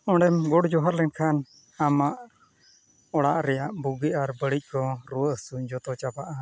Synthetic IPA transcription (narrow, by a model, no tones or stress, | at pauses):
ɔɳɖɛmɡɔɽd͡ʒɔɦaɾlɛnkʰan | amaʔ | ɔɽaʔɾɛjaʔbuɡiʔaɾbəɽic̚ˀkɔɾuwəsud͡ʒɔt̪ɔt͡ʃabaʔa